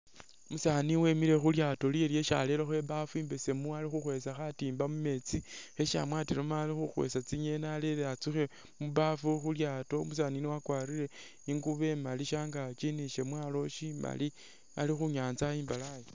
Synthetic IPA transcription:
musaːniwe̞miɾe̞xuljato̞lielje̞ʃa̰lelexwe̞βafuiːmbese̞mualixuxwe̞saxatiːmbamume̞t͡sixe̞ʃa̰mwaːtiɾomaːlixuxwḛsat͡siɲe̞naleleat͡suxe̞ | muβafuxuljaːto̞mus̬aniniwakwaːɾiɾe̞ | iŋɡuβe̞maliʃaːŋɡat͡ʃiniʃe̞mwaːlo̞ʃima̰li | a̰lixuɲaːnzaiːmbalaje

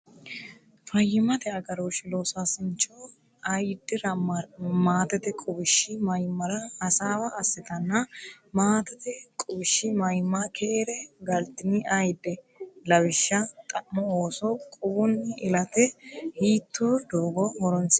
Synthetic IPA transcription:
fɐjːɪmɐt̪ɛɐɡɐɾoʃɪloːsaːsɪnt͡ʃːɔ | ɐjd̪ːɪɾɐmaːt̪ɛt̪ɛkʼʊbɪʃːɪmɐjmːɐɾɐhɐsaːwɐːsːɛt̪ɐnːɐ | maːt̪ɛt̪ɛkʼʊbɪʃːɪmɐjmːɐkʰeːɾɛɡɐlt̪ɪnɪʔɐjd̪ɛ | lɐwɪʃːɐt̪ʼɐʔmɔoːsɔkʼʊbʊnːɪɪlɐt̪ɛhiːt̪ʰːoːd̪oːɡɔhɔɾɔns

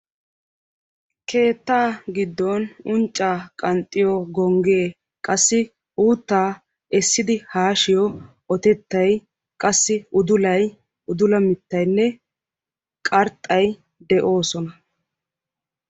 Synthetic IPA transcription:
kʰe̞ːt̪ːaːɡɪd̪ːɔnʊnt͡ʃʼːaːkʼɐnt̪ʼːɪjɔɡɔŋɡeː | kʼɐsːɪ | uːt̪ːaː | ɛsːɪd̪ɪhaːʃɪjɔ | ɔt̪ɛt̪ːɐj | kʼɐsːɪʊd̪ʊlɐj | ʔʊd̪ʊlɐmɪt̪ːɐjnːɛ | kʼɐɾt̪ʼːɐj | d̪ɛʔo̞ːsɔnɐ

